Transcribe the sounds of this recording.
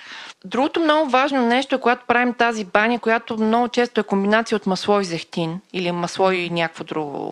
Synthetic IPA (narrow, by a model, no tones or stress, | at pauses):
d̪ɾuɡot̪omnɔɡʊvaʒnonɛʃt̪oɛkoɡat̪o̥pɾavimt̪azibanʲəkojat̪omnɔɡʊt͡ʃɛst̪oɛkombinat̪sijəot̪mɐslˠɔjzɛxt̪inilimɐslˠɔjinʲakvod̪ɾuɡo̰